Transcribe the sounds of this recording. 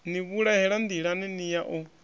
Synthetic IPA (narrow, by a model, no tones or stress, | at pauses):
niβuɺahɛɺand̪iɺaninijaʔɔ